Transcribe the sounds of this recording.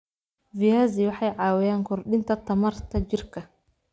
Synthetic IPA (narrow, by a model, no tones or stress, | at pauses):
vɪjaːzɪwɑħɑjʕɑːwɪjaːŋkʰɔrɗɪnt̪ʰɐt̪ʰɐmɐrt̪ʰɐt͡ʃɪrkʰɐ